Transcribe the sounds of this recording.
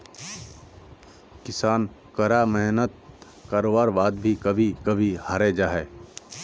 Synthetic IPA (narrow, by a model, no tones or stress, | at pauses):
kɪsaːn | kɐɾamɛɦnət̪̚ | kaːɾoːʋaːɾbaːd̪bʱikɐbʱikɐbʱihaɾed͡ʒaːɦɛː